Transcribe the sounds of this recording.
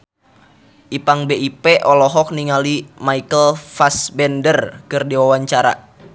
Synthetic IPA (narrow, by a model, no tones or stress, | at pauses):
ʔipaŋbeʔipeʔɔlɔɦɔk̚niŋalimaikəlfasbɛndərkɨrdiwawaɲt͡ʃaɾa̰